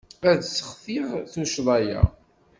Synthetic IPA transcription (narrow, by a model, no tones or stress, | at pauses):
æd̪sə̥χθiʁθuʃðˤɑjæ̰